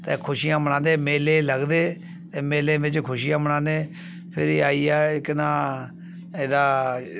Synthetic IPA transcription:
t̪ẽːkʰʊʃiːjãːbəɽ̃ãːnd̪eːmeːleːləɡd̪eː | t̪ẽːmeːleːbɪt͡ʃkʰʊʃijãːbəɽãːd̪eː | pʰɪɾiːaːiːaːɪknãː | ɪd̪aː

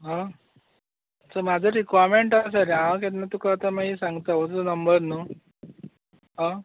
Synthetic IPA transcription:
ɦã | səmad͡zʱəɾikʋaɾmeɳʈas̬aɾãket̪nat̪ukaːt̪amaɦisãŋɡt̪aʋət͡sənəmbəɾnu | ɦã

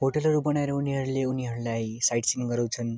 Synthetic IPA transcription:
ɦoʈʌlɦʌɾubʌnaeɾʌuniɦʌɾuleuniɦʌɾulajsajʈsimɡʌɾaw̃t͡sʰʌn

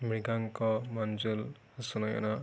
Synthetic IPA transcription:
miɡaŋkɔmand͡ʒulhasunɔja̰na

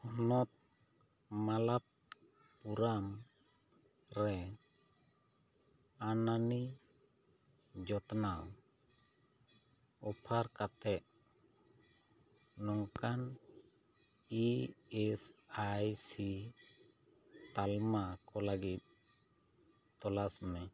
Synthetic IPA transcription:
ɔnɔt̪̚ | malap̚ | puɾam | ɾɛ | anani | d͡ʒɔt̪naw | ɔpʰaɾkat̪ɛʔ̚ | nɔŋkan | iɛsajsi | t̪almakɔlaɡit̪̚ | t̪ɔlasmɛ

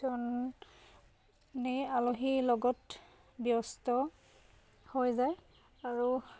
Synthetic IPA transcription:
ɔn | nialoɦilɔɡɔt | bijɔstɔ | hojzaj | aɹu

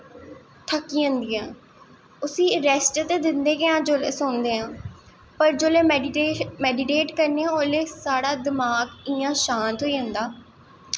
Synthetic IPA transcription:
t̪ʰəkːiːə̃nd̪ijãː | ʊsĩːəɾɛsʈt̪ed̪ɪnd̪eːkɪãːd͡ʒoːleːsond̪eːãː | pəɾd͡ʒoːleː | mɛːɖɪʈeːʈkəɾneãoːleːsaːɽaːd̪ɪmaːɡɪ̃ːãːʃãːnt̪ɦoːiːə̃nd̪aː

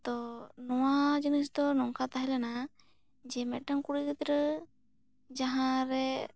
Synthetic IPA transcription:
t̪ɔnɔwad͡ʒinisd̪ɔnɔŋkat̪aɦɛlana | d͡ʒɛmɛʈəŋkuɽiɡət̪ɾə | d͡ʒaɦãɾɛ

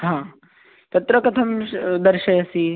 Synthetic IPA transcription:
ɦãː | t̪ɐt̪ɾɐkɐt̪ʰɐmd̪ɐɾʃɐɐsi

